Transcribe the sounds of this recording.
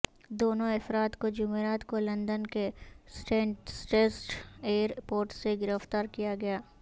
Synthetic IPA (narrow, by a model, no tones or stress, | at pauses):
d̪oːnõɐfɾaːt̪kod͡ʒʊmeːɾaːt̪kolɐ̃nd̪ənkesʈesʈeːsʈeːɾpoːɾʈseɡɪɾəft̪aːɾkijaɡɐjaː